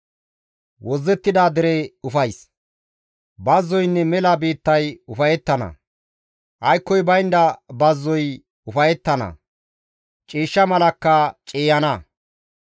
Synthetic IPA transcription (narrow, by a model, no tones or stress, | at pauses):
wɔzːɛt̪ːɪd̪aːd̪ɪɾeʊfɐjs | bɐzːɔjnːɛmɛlɐbeːt̪ːɐjʊfɐjɛt̪ːɐnɐ̰ | ʔɐjkːɔjbɐjnd̪ɐbɐzːɔj | ʊfɐjɛt̪ːɐnɐ̰ | t͡ʃʼiːʃːɐmɐlɐkːɐt͡ʃʼeːjɐnɐ